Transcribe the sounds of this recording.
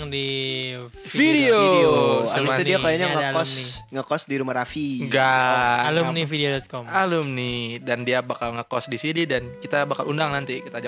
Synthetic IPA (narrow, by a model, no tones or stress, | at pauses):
di | fideoasidiakajaɲaŋəkɔsŋəkɔsdiɾumahɾafiŋɡalʊnifideodɔt̪̚kɔmalʊmnɪdandiabakalŋəkɔsdisinidankit̪abakalundaŋnant̪ikit̪ad͡ʒa